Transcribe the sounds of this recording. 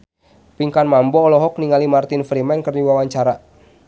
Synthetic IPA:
piŋkanmambɔːlɔɦɔk̚niŋalimart̪infɾimɛnkərdiwawaɲt͡ʃaɾa

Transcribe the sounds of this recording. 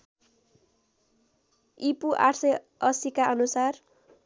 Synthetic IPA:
ipuʔaʈsʌj | ʌsikaʌnusar

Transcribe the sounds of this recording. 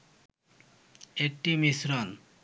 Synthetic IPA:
ek̚ʈimisɾɔn

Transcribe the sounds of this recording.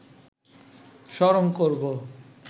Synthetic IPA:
ʃɔɾoŋkoɾbo

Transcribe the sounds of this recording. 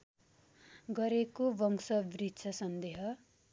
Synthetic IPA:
ɡʌɾekobʌŋsʌbrit͡sʰʌsʌnd̪eɦʌ

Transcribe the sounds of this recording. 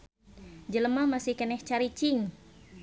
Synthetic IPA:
d͡ʒələmamasihkɛnɛht͡ʃaɾit͡ʃiŋ

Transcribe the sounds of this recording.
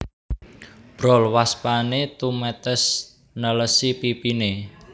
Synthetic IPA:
b̥ɾɔ̤lwaspanet̪umɛt̪əs | nələsipipine

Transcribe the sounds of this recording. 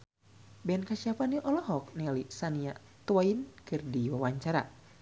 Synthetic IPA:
bɛɛnkaɕiapanjuʔɔlɔɦɔk̚nɛalisania | t̪uwainkɨrdiwawaɲt͡ʃaɾa̰

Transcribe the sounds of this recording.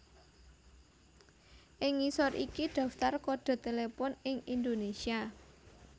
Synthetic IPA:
ʔɪŋːisɔɾʔḭkiɖ̪̥ä̤ft̪arkɔɖ̪̥a̤t̪elepɔnɪŋind̪onesia

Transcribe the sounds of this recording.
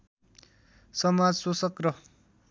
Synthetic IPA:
sʌmad͡zsosʌkrʌ

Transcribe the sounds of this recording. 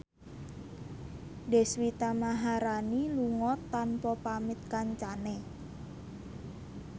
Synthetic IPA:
dɛ̤swit̪amaɦaɾaniluŋɔt̪ːanpɔpamit̪̚kaɲt͡ʃanɛ

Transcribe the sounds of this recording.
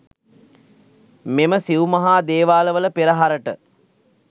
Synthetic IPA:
meməsiʋumɐɦaːd̪eːʋaːləʋələpeɾəɦaɾəʈə

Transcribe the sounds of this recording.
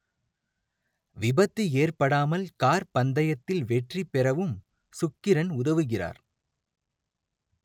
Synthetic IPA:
ʋɪbɐt̪ːieːrpɐɽaːmɐlkaːɾpɐnd̪ɐjɐt̪ːɪlʋɛʈripːɛrɐʋɯm | sʊkːɪɾɐnʊðɐʋɯɣɪra̰ːɾ

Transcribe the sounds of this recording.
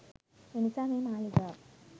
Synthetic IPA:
enisaːmeːmaːliɡa

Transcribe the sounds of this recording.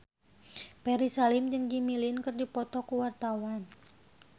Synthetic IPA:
pɛɾisalɪmd͡ʒɨŋd͡ʒimilinkɨrdipɔt̪ɔkuwart̪awan

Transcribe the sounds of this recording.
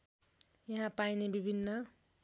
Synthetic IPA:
jʌɦãpajnebibʱinːʌ

